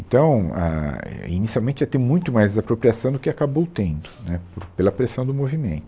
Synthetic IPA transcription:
ẽnt̪ɐ̃w̃a̰ɛ̰ḭnisiawmẽnt͡ʃɪat̪ẽj̃mũj̃t̪ʊmajzdzapɾopɾiasɐ̃w̃d̪ʊkɪakabowt̪ẽnd̪ʊnɛpoɾpelɐpɾesɐ̃w̃d̪ʊmovimẽnt̪ʊ̥

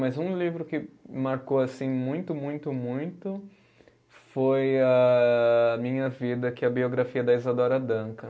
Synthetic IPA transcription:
mɐzũlivɾʊkɪmaɾkoasĩmũj̃t̪ʊmũj̃t̪ʊmũj̃t̪ʊ | fojɐ | mĩɲɐvid̪ɐkɪɐbioɡɾafiɐd̪ɐizad̪ɔɾɐd̪ɐ̃kɐ

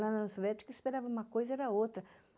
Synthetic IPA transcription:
ɐ̃nɐ̃sovɛt͡ʃɪ̥kʊispeɾavɐũmɐkojzɐɛɾɐot̪ɾɐ

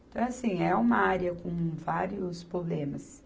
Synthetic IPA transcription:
t̪ɐ̃w̃asĩɛũmɐaɾiɐkõvaɾiʊspɾoblẽmɐs

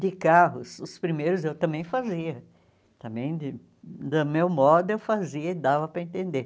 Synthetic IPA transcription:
d̪ɪkaɦʊsʊspɾimejɾʊzewt̪ɐ̃mbẽj̃faziɐ | t̪ɐ̃mbẽj̃d̪ɪ | d̪ɐmewmɔd̪ʊewfaziɐɪd̪avɐpɾɐẽnt̪ẽnd̪e

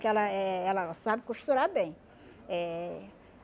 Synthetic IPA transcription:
kɛlɐɛɛlɐsabɪkuʃt̪uɾabẽj̃ | ɛ

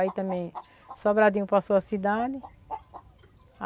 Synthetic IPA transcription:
it̪ɐ̃mẽj̃ | sɔbɾad̪ĩɲ̃ʊpasoɐsid̪ad̪ɪ | a

